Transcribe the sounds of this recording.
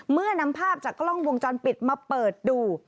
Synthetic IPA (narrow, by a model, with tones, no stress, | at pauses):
mɯ˥˩ɐna˦˥mpʰaː˥˩p̚t͡ɕaː˨˩klɔ˥˩ŋwo˧ŋt͡ɕɔː˧npi˨˩t̪̚maː˧pɤː˨˩t̪̚duː˧